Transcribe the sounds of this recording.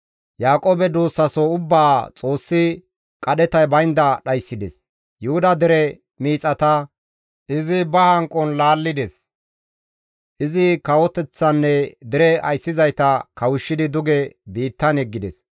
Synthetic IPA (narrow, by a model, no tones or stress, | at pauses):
jaːkʼoːbɛd̪uːsːɐsɔʊbːaːt͡sʼo̞ːsːɪ | kʼɐɗɛt̪ɐjbɐjnd̪ɐɗɐjsːɪd̪ɛs | jʊhʊd̪ɐd̪ɪɾɛ | miːt͡sʼɐt̪ɐ | ʔɪzɪbɐhɐŋkʼɔnlaːlːɪd̪ɛs | ʔɪzɪkɐwɔt̪ɛt͡sːɐnːɛd̪ɪɾɛɐjsːɪzɐjt̪ɐkɐwʊʃːɪd̪ɪd̪ʊɡɛbiːt̪ːɐnɛɡːɪd̪ɛs